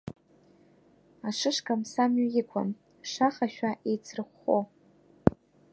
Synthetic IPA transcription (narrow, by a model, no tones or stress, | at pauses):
aʂɨʂkʰʼamsamɥajɪkʷʰa̰m | ʂaχaʃᶣaʔejt͡sʰrɨχʷːo̰